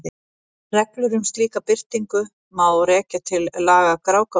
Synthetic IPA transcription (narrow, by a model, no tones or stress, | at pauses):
ɪ | rɛklʏɾʏmst̪liːkapɪr̥t̪iŋkʏ | mawɾɛːcat̪ʰɪllaːɣakɾaːwka